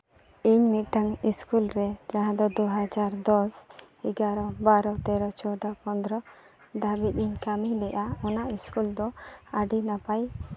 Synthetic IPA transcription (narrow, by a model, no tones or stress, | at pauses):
iɲmiʈaŋiskulɾɛd͡ʒãɦãd̪ɔd̪uɦad͡ʒaɾd̪ɔs | iɡaɾɔbaɾɔt̪ɛɾɔt͡ʃɔd̪apɔnd̪ɾɔ | d̪abit̪̚iɲkamilɛʔaɔnaʔiskuld̪ɔaɖinapaj